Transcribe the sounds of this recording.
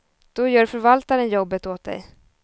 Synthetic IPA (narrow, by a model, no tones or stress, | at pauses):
d̪̥ɔjœːɾfœɾvalt̪aɾənjɔbːət̪oːt̪̚d̪ɛ̰j